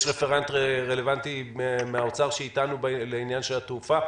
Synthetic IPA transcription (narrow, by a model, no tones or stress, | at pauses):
ʃʁefeʁant̪eʁe̞levant̪imeaot͡saʁʃeit̪anubleinjanʃelat̪ufa